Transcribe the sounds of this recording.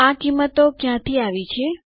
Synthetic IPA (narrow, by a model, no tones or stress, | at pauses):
akimːət̪okjãt̪ʰiaʋit͡ʃʰe